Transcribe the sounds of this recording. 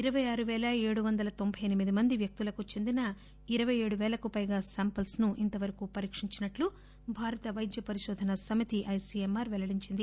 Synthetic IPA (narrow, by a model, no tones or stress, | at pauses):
iɾɐʋɐjaːɾuʋɛːlɐeːɽuʋɐnd̪ɐlɐt̪o̞mbʱɐjɐnimid̪imɐnd̪iʋjɐk̚t̪ulɐkut͡ʃe̞nd̪inɐ | iɾɐʋɐjeːɽuʋɛːlɐkupɐjɡaːsaːmpɐlsnuʔint̪ɐʋɐɾɐkupɐɾiːkʂiɲt͡ʃinɐʈlu | bʱaːɾɐt̪ɐʋɐjd̪jɐpɐɾiʃɔːd̪ʱɐnɐsɐmit̪iʔɐjsiemaːɾʋɛlɐɽiɲt͡ʃind̪i